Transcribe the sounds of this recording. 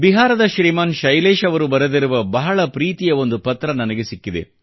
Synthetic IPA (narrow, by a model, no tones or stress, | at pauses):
biɦaːɾɐd̪ɐʃɾiːmaːnʃɐjleːʃɐʋɐɾubɐɾed̪iɾuʋɐbɐɦɐɭɐpɾiːt̪ijɐo̞nd̪upɐt̪ːɾɐnɐnɐɡe̞sikːid̪ḛ